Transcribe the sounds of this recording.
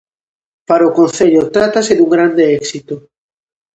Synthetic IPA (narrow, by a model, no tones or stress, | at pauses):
paɾaokon̟θeʎot̪ɾat̪aseðuŋɡɾand̪eɛksit̪o